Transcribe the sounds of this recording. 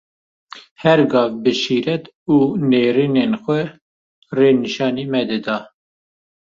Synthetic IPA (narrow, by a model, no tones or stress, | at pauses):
hɛɾɡɑːvbɨʃiːɾɛt̪ | uːneːɾiːneːnxʷɛ | reːnɨʃɑːniːmɛd̪ɨd̪ɑː